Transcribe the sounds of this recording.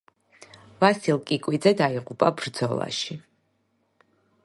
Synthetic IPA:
vasilˠkʼikʼwid̪zɛd̪aiʁupʼabɾd̪z̥ɔlˠa̰ʃi

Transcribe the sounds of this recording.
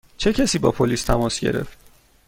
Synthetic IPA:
t͡ʃʰe̞cʰæsiːbɒ̰ːpʰoliːst̪ʰæmɒːsɟe̞̰ɾe̞̰ft̪̚

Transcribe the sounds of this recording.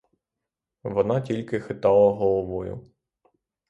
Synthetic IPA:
ʋɔnɑtʲilʲkɪxɪt̪ɑlˠɐɦɔlˠɔʋɔjʊ̰

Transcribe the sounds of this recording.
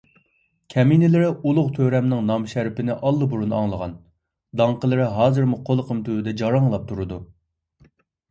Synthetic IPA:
kʲʰɛminɪlɪɾɪulˠʊqt̪ʰøɾɛmnɪŋnɑmʃæɾpɪnɪʔɑlˠːɨbuɾunɑ̰ŋlˠəʁɑ̰n | d̪ɑŋqəlˠɨɾɪɦɑːzɨɾmuqʰolˠqʰəmt̪ʰywd̪ɛd͡ʒɑɾɑŋlˠɑp̚t̪ʰuɾɨd̪u

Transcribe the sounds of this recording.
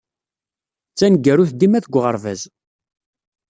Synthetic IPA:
t͡sːænɡːæɾuθd̪imæθəɡʷːʁəɾˤvæz

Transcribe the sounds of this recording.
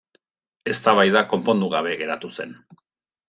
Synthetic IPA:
e̞st̪aβajðako̞mpo̞nd̪uɣ̞aβ̞e̞ɣe̞ɾat̪use̞̰n

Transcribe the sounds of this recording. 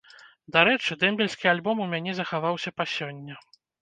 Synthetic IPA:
d̪aɾɛt͡ʂɨd̪ɛmʲbʲɛlʲsʲkʲialʲbɔmumʲanʲɛzɐxavawsʲɐpasʲɔnʲːɐ

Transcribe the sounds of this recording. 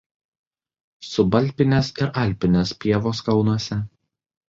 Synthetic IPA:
sʊbɐlʲpʲɪnʲesɪɾʔɐlʲpʲɪnʲespʲiɛʋoːskɐʊnuɔsʲɛ

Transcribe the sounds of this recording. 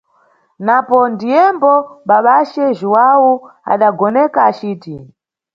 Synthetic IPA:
napɔndijɛmbɔɓaɓat͡ʃɛʒuwawua̰ɗaɡɔnɛkaːt͡ʃiːti

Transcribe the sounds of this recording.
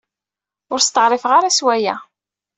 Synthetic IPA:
ʊɾst̪əʁɾˤɪfʁaɾaswæjæ

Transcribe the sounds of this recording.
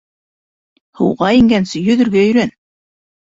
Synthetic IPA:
hɤ̰̆wʁɑiŋɡænsɘjɵ̆ðɵ̆ɾɡæɵ̆ɾæn

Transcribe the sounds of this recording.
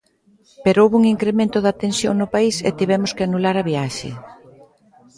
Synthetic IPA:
peɾoowβuŋiŋkɾemẽnt̪ʊðat̪ensjoŋnʊpaisḛt̪iβɛmʊskɪanulaɾɐβiaʃɪ̰

